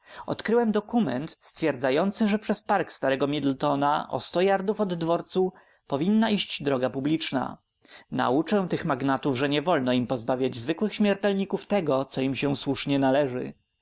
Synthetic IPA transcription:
ɔ̰t̪kɾɘwɛmd̪ɔkumɛ̰nt̪st̪fʲjɛɾd̪zajɔnt̪sɘʐɛpʂɛspaɾkst̪aɾɛɡɔmʲid̪lt̪ɔna̰ʔɔ̰st̪ɔjaɾd̪ufɔd̪ːvɔɾt̪su | pɔvʲinːaiɕt͡ɕd̪ɾɔɡapublʲit͡ʂna̰ | na̰ut͡ʂɛw̃t̪ɘxmaɡnat̪uvʐɛɲɛvɔlnɔimpɔzbavʲjad͡ʑzvɘkwɘxɕmʲjɛɾt̪ɛlɲikuft̪ɛɡɔt̪sɔimɕɛw̃swuʂɲɛnalɛʐɘ̰

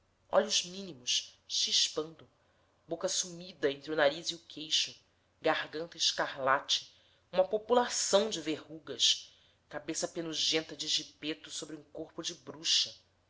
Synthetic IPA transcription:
ɔ̰ʎʊʒmĩnimʊʃʃiʃpɐ̃nd̪ʊ | bokɐsumid̪ɐẽnt̪ɾiunaɾiziʊkʰejʃʊ | ɡahɡɐ̃nt̪ɐiʃkahlat͡ʃɪ̥ | ũmɐpopulasɐ̃w̃d͡ʒɪvehuɡɐʃ | kabesɐpenuʒẽnt̪ɐd͡ʒɪʒipet̪ʊsobɾiũkoɾpʊd͡ʒɪbɾuʃɐ

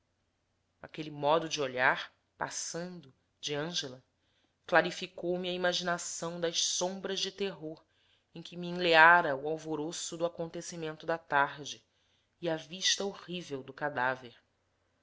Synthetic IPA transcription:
akelimɔd̪ʊd͡ʒɪoʎaɾ | pa̰sɐ̃nd̪ʊ | d͡ʒɪɐ̃ʒelɐ | klaɾifikowmiɐimaʒinasɐ̃w̃d̪ɐʃsõbɾɐʒd͡ʒɪt̪eɦoɾ | ẽj̃kʲɪmiĩleaɾɐuawvoɾosʊd̪ʊakõnt̪esimẽnt̪ʊd̪ɐt̪aɾd͡ʒɪː | ɐviʃt̪ɐoʁivewd̪ʊkad̪aveɾ

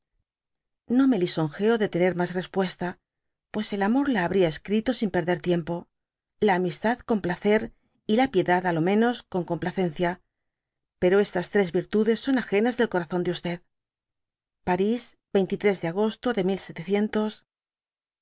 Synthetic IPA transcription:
no̞me̞liso̞ŋxe̞o̞ðe̞t̪e̞ne̞ɾmasre̞spwe̞st̪a | pwe̞se̞lamo̞ɾlaːβɾiae̞skɾit̪o̞simpe̞ɾðe̞ɾt̪je̞mpo̞ | laːmist̪aðko̞mplaθe̞ɾ | ilapje̞ðaðalo̞mẽ̞no̞sko̞ŋko̞mplaθe̞n̟θja | pe̞ɾo̞e̞st̪ast̪ɾe̞zβiɾt̪uðe̞sːo̞naxe̞nazðe̞lko̞ɾaθo̞nd̪eust̪e̞ð | paɾiz | be̞jnt̪it̪ɾe̞zðeaɣ̞o̞st̪o̞ðe̞milse̞t̪eθje̞nt̪o̞s

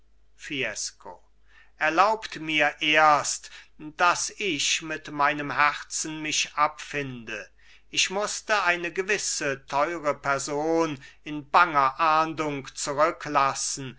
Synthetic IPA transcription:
fiɛsko̰ | ʔɛɐlaʊptmiːɐʔeːɐstd̥asɪʃmɪtmaɪnəmɦɛʁt͡sn̩mɪʃʔapfɪndə | ʔɪʃmʊstəaɪnəɡəvɪsətʰɔʏʁəpɛɐzoːnɪnbaŋɐʔaːndʊŋkt͡suʁʏklasn̩

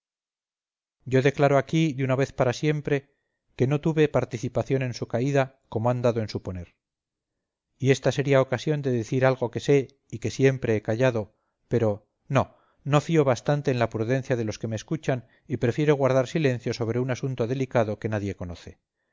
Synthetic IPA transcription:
ɟ͡ʝo̞ðe̞klaɾo̞akiðunaβe̞θpaɾasje̞mpɾe̞ | ke̞no̞t̪uβe̞paɾt̪iθipaθjo̞nẽ̞nsukaiða | ko̞moand̪aðoensupo̞ne̞ɾ | ie̞st̪ase̞ɾiaokasjond̪e̞ðeθiɾalɣo̞ke̞se̞ | ike̞sje̞mpɾe̞ekaʝaðo̞ | pe̞ɾo̞ | no̞ | no̞fio̞βast̪ant̪e̞ːnlapɾuðe̞n̟θjaðe̞lo̞ske̞me̞ːskut͡ʃan | ipɾe̞fje̞ɾo̞ɣ̞waɾð̞aɾsile̞n̟θjo̞so̞β̞ɾe̞unasunt̪o̞ðe̞likaðo̞ke̞naðje̞ko̞no̞θe̞

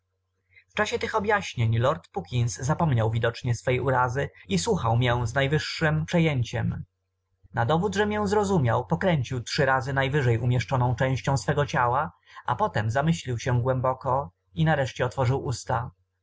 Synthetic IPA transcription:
ft͡ʂaɕɛt̪ɘxɔbʲjaɕɲeɲlɔɾt̪pukʲinsːapɔmɲawvʲid̪ɔt͡ʂɲɛsfɛjuɾazɘiswuxawmʲjɛ̃znajvɘʂːɘmpʂɛjɛɲt͡ɕɛm | nad̪ɔvud̪ʐɛmʲjɛ̃zɾɔzumʲjawpɔkɾɛɲt͡ɕiwtʂɘɾazɘnajvɘʐɛjʔumʲjɛʂt͡ʂɔnɔ̃w̃t͡ʂɛ̃w̃ɕt͡ɕɔ̃w̃sfɛɡɔt͡ɕawa | ʔa̰pɔt̪ɛmzamɘɕlʲiwɕɛɡwɛmbɔkɔ | inaɾɛʂt͡ɕɛɔt̪fɔʐɘwʔust̪a

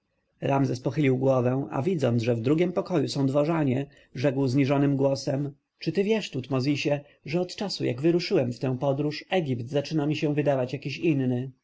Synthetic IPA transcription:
ɾamzɛspɔxɘlʲiwɡwɔvɛw̃a̰vʲid̪zɔnʐɛvd̪ɾuɡʲɛmpɔkɔjusɔ̃w̃d̪vɔʐaɲɛ | ʐɛkwzɲiʐɔnɘmɡwɔsɛm | t͡ʂɘt̪ɘvʲjɛʂt̪ut̪mɔzʲiɕɛ | ʐɛɔt̪t͡ʂasuja̰ɡvɘɾuʂɘwɛmft̪ɛ̃w̃pɔd̪ɾuʂɛɡʲipt̪zat͡ʂɘnamʲiɕɛ̃vɘd̪avat͡ɕjakʲiɕinːɘ

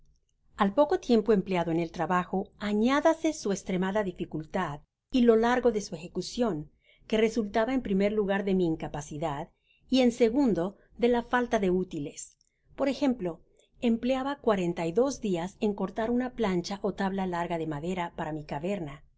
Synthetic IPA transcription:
alpo̞ko̞t̪je̞mpo̞e̞mpljaðo̞ene̞lt̪ɾaβaxo̞aɲaðase̞sue̞kst̪ɾe̞maðaðifikult̪að | ilo̞laɾɣo̞ðe̞sue̞xe̞kusjo̞ŋ | ke̞re̞sult̪aβae̞mpɾime̞ɾluɣaɾðe̞miːŋkapasiðað | ie̞nse̞ɣund̪o̞ | ðe̞lafalt̪aðe̞ut̪ile̞s | po̞ɾe̞xe̞mplo̞ | empleaβakwaɾe̞nt̪ajðo̞zd̪iase̞ŋko̞ɾt̪aɾunaplant͡ʃaʔo̞t̪aβlalaɾɣaðe̞maðe̞ɾapaɾamikaβe̞ɾna

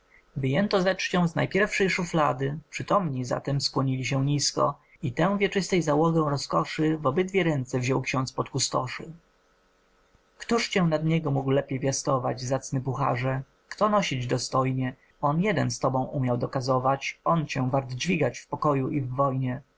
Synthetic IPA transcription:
vɘjɛnt̪ɔzɛt͡ʂt͡ɕɔ̃w̃zna̰jpʲjɛɾfʂɛjʂuflad̪ɘpʂɘt̪ɔmɲiza̰t̪ɛmskwɔɲilʲiɕɛɲiskɔ̰ | it̪ɛw̃vʲjɛt͡ʂɘst̪ɛjzawɔɡɛw̃ɾɔskɔʂɘvɔbɘd̪vʲjɛɾɛnt̪sɛvʑɔwkɕɔ̃nt̪spɔt̪kust̪ɔ̰ʂɘ̰ | kt̪uʂt͡ɕɛ̃w̃nad̪ɲɛɡɔmuɡwlɛpʲjɛjvʲjast̪ɔvad͡ʑzat̪snɘpuxa̰ʐɛ | kt̪ɔnɔɕid͡ʑd̪ɔst̪ɔjɲɛ | ɔnjɛd̪ɛnst̪ɔbɔ̃w̃ʔumʲjawd̪ɔkazɔvat͡ɕɔnt͡ɕɛw̃vaɾd̪d͡ʑvʲiɡat͡ɕfpɔkɔjuʔivːɔjɲɛ

